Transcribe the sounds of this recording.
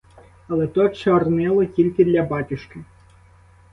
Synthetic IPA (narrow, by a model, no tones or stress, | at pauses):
ɐlˠɛt̪ɔt͡ʃɔrnɛlˠɐtʲilʲkʲid̪lʲɐbatʲuʂkʲi